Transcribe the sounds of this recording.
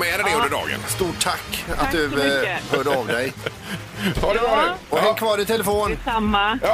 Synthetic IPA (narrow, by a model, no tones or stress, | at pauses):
mɛːɾɛd̪ɛɵnd̪əɖɑ̰ːɡə̰nst̪uːʈʰːakːa̰t̪̚d̪ɵhœːɖəɔvd̪ɛj | had̪ɛvɑɔhɑkʰvɑːɖɪnt̪ʰɛləfoːnamːa